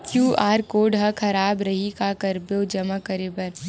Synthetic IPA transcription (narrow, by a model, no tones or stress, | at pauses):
kjuːʔaːɾkoːɖɦɐkʰɐɾaːbɾɐɦikakɐɾboːd͡ʒɐmakəɾeːbɐɾ